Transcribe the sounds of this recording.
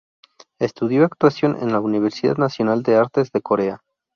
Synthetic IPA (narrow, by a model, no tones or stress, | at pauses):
e̞st̪uðjo̞akt̪wasjo̞nʔḛnlauniβ̞e̞ɾsiða̰ðnasjo̞nald̪e̞aɾt̪e̞zðe̞ko̞ɾe̞a